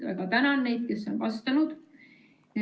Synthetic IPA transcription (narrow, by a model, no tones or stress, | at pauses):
æ̰ɡ̥ɑt̪ænɑnːejd̪̥̚ke̞sːo̞nvɑst̪ɑnud̪̥